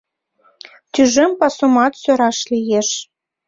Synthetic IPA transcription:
t̪yʒempɑsomɑt̪søɾɑʃlijeʃ

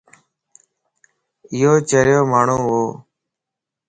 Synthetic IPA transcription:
ɪːɦoːt͡ʃəɾjoːmaːɳ̤ũːɦoː

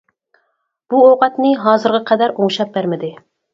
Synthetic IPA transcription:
b̥uoqɑt̪nɪɦɑːzɨɾʁəqʰɛd̪æɾoŋʃɑp̚bæɾmɪd̪ɪ

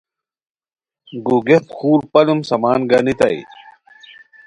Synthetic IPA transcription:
ɡuɡet̪xuːɾpɐlumsɐmaːnɡɐnit̪a̰ḭ

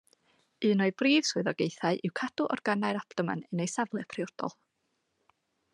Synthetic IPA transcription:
ɨːnɔɨbriːv̥suɨðɔɡejθaɨʔɪwkʰad̥ʊʔɔ̰rɡ̥anaɨɾaptɔma̰nɛnejsavlˠɨpʰrɪɔrd̥ɔ̰lˠ

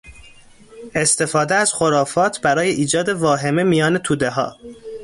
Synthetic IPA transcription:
ʔe̞st̪ʰe̞fɒːd̪eæz̥xo̞ɾɒːfɒːt̪ʰbæɾɒːje̞ʔiːd͡ʒɒːd̪e̞vɒːɦe̞me̞mijɒːne̞t̪ʰuːd̪eɦɒ̰ː

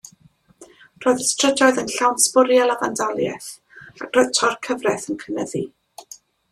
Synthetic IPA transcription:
r̥oːjðəstʰr̥əd͡ʒɔɨðənɬawnspʊɾjalavandɔlˠjɛ̰θ | ak̚roɨtʰɔrkʰəvrɛθənkʰənəði

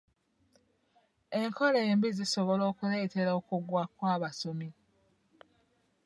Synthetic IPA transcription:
e̞ŋkʰo̞lembiziso̞βo̞lo̞ːkuleteɾaokuɡwakwaːβasomi

